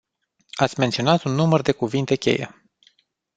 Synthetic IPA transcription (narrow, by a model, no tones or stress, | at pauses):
at̪sʲme̞nt̪sio̞nat̪unːumərd̪e̞kuvint̪e̞kʲe̞̰jḛ